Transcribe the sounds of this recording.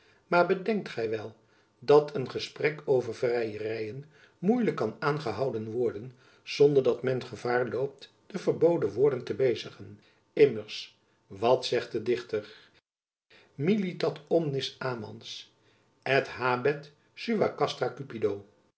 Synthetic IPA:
maːɹbədɛŋk̚tχɛjʋɛlˠ | dɑtʰənχəsprɛkowvəɹvrɛjərɛjən | mujləkːɑnaːnχəɦɑwdənʋɔɹdən | z̥ɔndəɹdɑtmɛnχəv̥aːɹlowp̚t | d̥əvəɹbowdəʋʊːɹdəntəbejzəχən | ɪməɹs | ʋɑtsɛχt̚ədɪχtər | militɑtɔmnɪsaːmɑ̰ns | ɛtɦaːbɛt | syʋakɑstrakypidow

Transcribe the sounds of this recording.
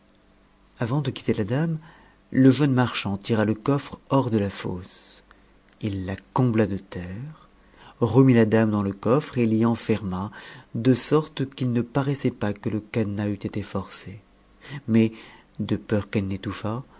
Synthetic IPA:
avɑ̃d̪əkʲi̥t̪elad̪am | ləʒənmaʁʃɑ̃t̪iʁaləkɔfχɔʁd̪əlafo̰s | ilːakɔ̃blad̪ət̪ɛʁ | ʁəmilad̪amd̪ɑ̃ləkɔfχeliɑ̃fɛʁmad̪əsɔʁt̪kilnəpaʁɛsɛpakələkanayt̪et̪efɔʁse | mɛd̪əpœʁkɛlnet̪ufa

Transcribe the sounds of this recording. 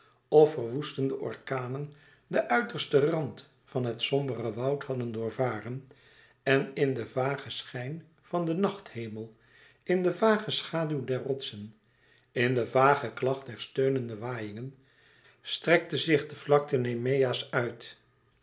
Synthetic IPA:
ʔɔfərʋustəndəʔɔ̰ɹkaːnən | dəʔœɥtərstərɑnt | fɑnɦətsɔmbərəʋɑwtɦhɑdəndʊːɹvaːrən | ɛnɪndəvaːχəsχɛjn | v̥ɑndənɑχthejməlˠ | ɪndəvaːχəsχaːdywdɛɹrrɔtsən | ɪndəvaːχəklɑχt̚dɛɹstøɥnəndəʋaːjɪŋən | strɛk̚təzɪχdəvlɑk̚tənemejasœɥt

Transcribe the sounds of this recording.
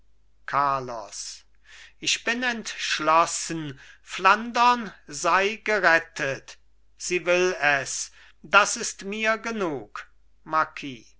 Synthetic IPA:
kʰaɐlɔ̰s | ʔɪçb̥ɪnɛntʃlɔsənflandɐnzaɪɡəʁɛtʰət | z̥iːvɪlɛs | d̥asɪstmiːɐɡənuːk | maɐkʰiː

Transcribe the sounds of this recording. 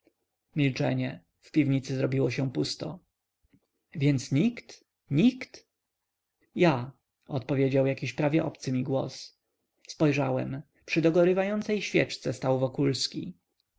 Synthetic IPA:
mʲilt͡ʂɛ̰ɲɛ | fpʲivɲit̪sɘzɾɔbʲiwɔɕɛ̃pust̪ɔ̰ | vʲjɛnt̪sɲikt̪ | ɲikt̪ | ja | ɔt̪pɔvʲjed͡ʑawjakʲiɕpɾavʲjɛʔɔpt̪sɘmʲiɡwɔ̰s | spɔjʐawɛm | pʂɘd̪ɔɡɔɾɘvajɔnt̪sɛjɕfʲjɛ̰t͡ʂt̪sɛst̪awvɔkulskʲi

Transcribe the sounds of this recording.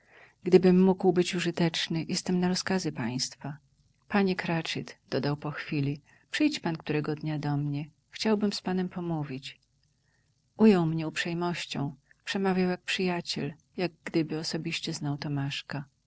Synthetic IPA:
ɡd̪ɘbɘmːuɡwbɘt͡ɕuʐɘt̪ɛt͡ʂnɘjʔɛst̪ɛmnaɾɔskazɘpaj̃st̪fa | paɲɛkɾat͡ʂɘt̪d̪ɔd̪awpɔxfʲilʲi | pʂɘjt͡ɕpank̚t̪uɾɛɡɔd̪ɲad̪ɔmɲɛ | xt͡ɕawbɘmspanɛmpɔmuvʲit͡ɕ | ʔujɔwmɲɛupʂɛjmɔɕt͡ɕɔ̰̃w̃ | pʂɛmavʲjawjak̚pʂɘjat͡ɕɛ̰l | jaɡ̚ɡd̪ɘbɘɔsɔbʲiɕt͡ɕɛznawt̪ɔmaʂka

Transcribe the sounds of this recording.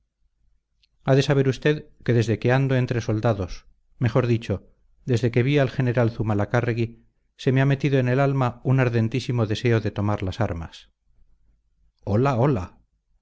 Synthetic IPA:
aðe̞saβ̞e̞ɾust̪e̞ðke̞ðe̞zðe̞ke̞and̪oe̞nt̪ɾe̞so̞ld̪aðo̞s | me̞xo̞ɾðit͡ʃo̞ | d̪e̞zðe̞ke̞βialxe̞ne̞ɾalθumalakareɣi | se̞meame̞t̪iðo̞ene̞lalmaunaɾðe̞nt̪isimo̞ðe̞se̞o̞ðe̞t̪o̞maɾlasaɾma̰s | olao̞la

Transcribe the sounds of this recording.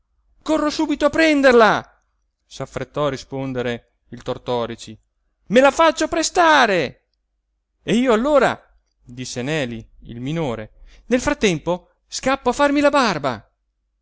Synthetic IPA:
korːosuːbit̪oapːɾɛnd̪erla | safɾet̪ːɔarːispond̪eɾe | ilt̪ort̪ɔːɾit͡ʃi | melafat͡ʃːopɾest̪aːɾe | eiːoalːoːɾa̰ | d̪isːenɛːliḭlminoːɾe | nelfɾat̪ːɛmpo | skapːoafːarmilabarba̰

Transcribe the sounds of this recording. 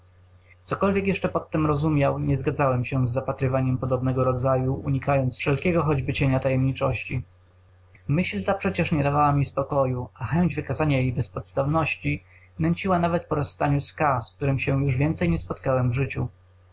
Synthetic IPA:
t̪sɔkɔlvʲjɛkjɛʂt͡ʂɛpɔt̪ːɛmɾɔzumʲjawɲɛzɡad̪zawɛmɕɛzːapat̪ɾɘvaɲɛmpɔd̪ɔbnɛɡɔɾɔd̪zajuuɲikajɔnt̪sfʂɛlkʲɛɡɔxɔd͡ʑbɘt͡ɕeɲat̪ajɛmɲit͡ʂɔɕt͡ɕi | mɘɕlt̪apʂɛt͡ɕɛʂɲɛd̪avawamʲispɔkɔjuaxɛɲd͡ʑvɘkazaɲajejbɛspɔt̪st̪avnɔɕt͡ɕi | nɛɲt͡ɕiwanavɛt̪̚pɔɾɔsːt̪aɲuskask̚t̪uɾɘmɕɛjuʐvʲjɛnt̪sɛjɲɛspɔt̪kawɛmvʐɘt͡ɕu

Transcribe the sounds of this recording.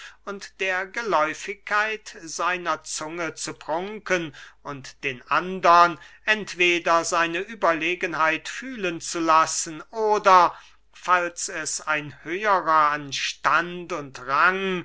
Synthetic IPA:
ʔʊntd̥eːɐɡəlɔʏfɪkːaɪtz̥aɪnɐt͡sʊŋət͡supʁ̥ʊŋkənʊntd̥eːnʔandɐnʔɛntv̥eːdɐzaɪnəʔyːbɐleːɡənɦaɪtfyːlənt͡sulasən̩ʔoːdɐ | falsɛsaɪnhøːəʁɐanʃtantʊntʁaŋ

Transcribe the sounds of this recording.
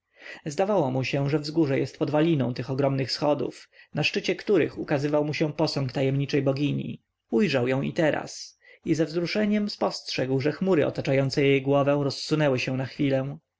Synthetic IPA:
zd̪avawɔmuɕɛʐɛvzɡuʐɛjɛst̪pɔd̪valʲinɔ̰̃w̃t̪ɘxɔɡɾɔmnɘxsxɔd̪ṵfnaʂt͡ʂɘt͡ɕɛkt̪uɾɘ̰xukazɘvawmuɕɛpɔsɔŋkt̪ajɛmɲit͡ʂɛjbɔɡʲiɲḭ | ujʐawjɔ̃w̃ḭt̪ɛɾa̰s | izɛvzɾuʂɛɲɛmspɔstʂɛɡwʐɛxmuɾɘʔɔ̰t̪at͡ʂajɔnt̪sɛjejɡwɔvɛ̃w̃ɾɔsːunɛwɘɕɛ̃w̃naxfʲilɛ̃

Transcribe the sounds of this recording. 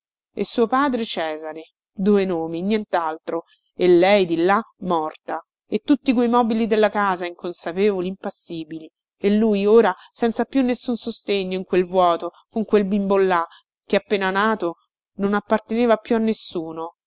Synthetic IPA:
ḛsːuːopaːd̪ɾet͡ʃɛːzaɾe | d̪uːenoːminjɛnt̪alt̪ɾo | elːɛjd̪ilːamɔrt̪a | et̪ːut̪ːikwejmɔːbilid̪elːakaːzaiŋkonsapeːvoliːmpasːiːbili | elːujoːɾa | sɛnt̪sapjunːesːunsost̪eɲːoiŋkwelvwɔːt̪o | koŋkwelbimbolːa | k̟eapːeːnanaːt̪o | nonapːart̪eneːvapjuanːesːuːno

